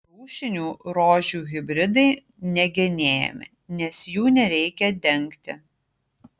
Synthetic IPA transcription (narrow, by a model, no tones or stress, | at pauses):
ɾuːʃʲɪnʲuːɾoːʒʲuːɣʲɪbʲɾʲɪd̪ɐɪ | nʲɛɡʲɪnʲeːjɛ̰mʲɪ̰ | nʲɛsjuːnʲɛɾʲɛɪkʲɛd̪ʲɛŋʲkt̪ʲɪ̰